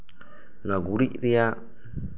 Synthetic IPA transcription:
nãɡuɾiʔɾia

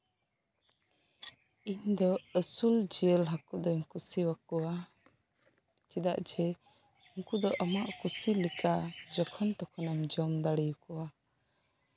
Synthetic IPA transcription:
iɲd̪ɔəsuld͡ʒiəlɦakud̪ɔɲkusiwakɔwa | t͡ʃid̪aʔd͡ʒɛ | uŋkud̪ɔʔamaʔkusilikad͡ʒɔkʰɔnt̪ɔkʰɔnamd͡ʒɔmd̪aɽijukɔwa

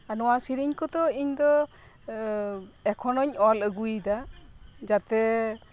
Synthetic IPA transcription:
anɔwasiɾiɲkʰɔt̪ɔiɲd̪ɔ | ɛkʰɔnɔɲɔləɡujd̪ad͡ʒat̪ɛ

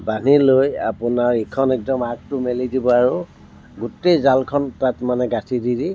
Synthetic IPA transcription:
baniloja̰pʊnaɹikʰɔnɛk̚dɔmak̚tʊmelidibɔaɹu | ɡutejzalkʰɔntatmanɛɡatʰididi

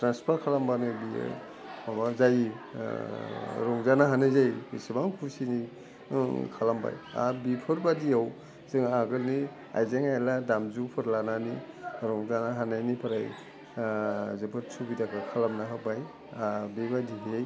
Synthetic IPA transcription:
tɾanspʰaɾkʰalambanɯbḭ | abazajḭ | ɾɔŋzanaɦanɯzajbisɯbaŋkʰuɾsini | kʰalamba̰ja̰bipʰɯɾbadiaw | zɯŋaɡɯlni | a̰jzeŋajladamzupʰɯɾlananiɾɔŋzanaɦanajnipʰɯɾaj | zɯpʰɯtsʰubidakʰakʰalamnaɦɯbaj | abibadiɦej

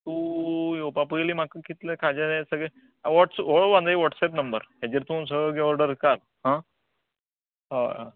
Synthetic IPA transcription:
t̪ujopapujliːm̤akːəkit̪lekʰad͡ʑaesəɡɭe | ʋɔʈsoɭʋãnd̪aiʋɔʈsɛp̬nəmbəɾɦad͡ʑiɾt̪ũns̬əɡɭeɡeəɾɖəɾkal | ɦã | ɦaa

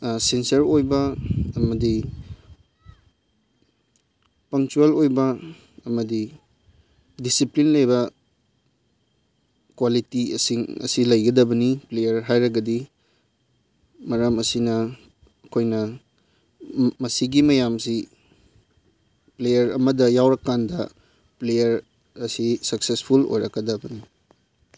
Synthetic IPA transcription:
sensɐɾojbɐɐmɐdi | pɐŋt͡ʃuelojbɐ | ɐmɐdi | disiplinlɐjbɐ | kwalitiɐ̰siŋɐ̰silɐjɡɐdɐbɐniplejɐɾɦajɾɐɡɐdi | mɐɾɐmɐsinɐ | ɐkʰojnɐ | mɐsiɡimɐjamsi | plejɐɾɐ̰mɐdɐjawɾɐkːandɐ | plejɐɾ | ɐsisɐksespʰulo̰jɾɐkɡɐdɐbɐni

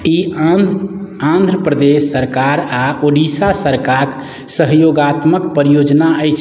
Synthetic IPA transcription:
i | ãnd̪ʱɾəpɾəd̪esːəɾkaɾaoɖisasəɾkaɾk | səɦjoɡat̪məkpɾijod͡ʒnaəjt͡ʃʰ

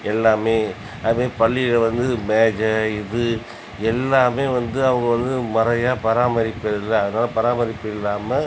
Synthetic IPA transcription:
ɛlːaːmeː | ɐðɯmeːpɐɭːɪlɐʋɐnd̪ɯmeːd͡ʒɐɪðɯ | ɛlːaːmeːʋɐnd̪ɯɐʋɐŋɡɐʋɐnd̪ɯmɐɾɐjaːpɐɾaːmɐɾɪpːɐðɪlːɐːðɯnaːlɐpɐɾaːmɐɾɪpːɐɪlːaːmɐ

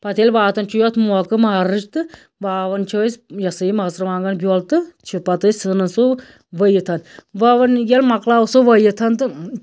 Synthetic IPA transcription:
pɐt̪ʰilʲʋaːt̪ɐnt͡ʃʰujot̪ʰmɔːkɨmaɾɨt͡ʃt̪ɨ | ʋaːʋɐnt͡ʃʰisjɐsɨimɐsɾʋaːŋɡɐnbʲjoːlt̪ɨt͡ʃʰipɐt̪ɨsɨnɨsu | ʋəjit̪ʰɐnʋɐʋɐnjɐlmɐklaːsoʋɐjit̪ʰɐnt̪ɨ

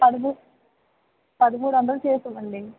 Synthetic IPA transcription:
pɐd̪ɐmu | pɐd̪ɐmuːɽɐnd̪ɐlut͡ʃeːsuʋɐɳɖi

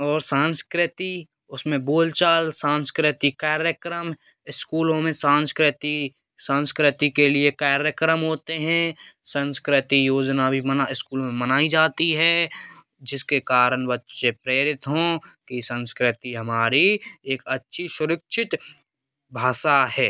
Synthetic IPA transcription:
ɔːɾsãːnskɾɪt̪i | ʊsmẽboːlt͡ʃaːlsãːnskɾɪt̪ikaːɾjəkɾəm | ɪskuːlõmẽsãːnskɾɪt̪i | sãːnskɾɪt̪ikeliekaːɾjəkɾəmɦoːt̪eɦɛ̃sə̃nskɾɪt̪ijoːd͡ʒnabʱimənaɪskuːlmẽmənaːid͡ʒaːt̪iɦɛː | d͡ʒɪskekaːɾənʋətːʃepɾeːɾɪt̪ɦõkisə̃nskɾɪt̪iɦɐmaːɾieːkətːʃʰisʊɾəkʃʰɪt̪ | bʱaːʃaɦɛː

